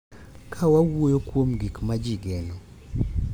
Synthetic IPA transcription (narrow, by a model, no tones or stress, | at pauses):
kʰawawojokwomɡikmad͡ʒiɡɛnɔ